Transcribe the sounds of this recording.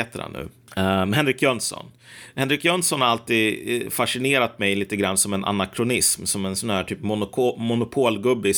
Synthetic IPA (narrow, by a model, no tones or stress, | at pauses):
eːt̪əɾha̰nːʉ̟̰ː | mɦɛnɾɪkjœnsɔ̰n | hɛnɾɪkjœnsɔnhaɾalt̪iːd̪faʂɪneːɾat̪mɛjliːt̪əɡɾa̰nːsɔmɛnʔa̰nakʰɾʊnɪsmsɔmɛnsɔnhæːʈʰyːpmʊnʰmʊnʊpʰoːlɡɵbːɪ